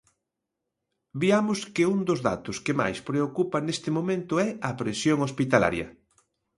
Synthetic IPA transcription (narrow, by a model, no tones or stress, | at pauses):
biamʊskɪund̪ʊzða̰t̪ʊskema̰jspɾeokupɐnest̪ɪmomẽnt̪ʊɛɐpɾesjoŋospit̪ala̰ɾjɐ̰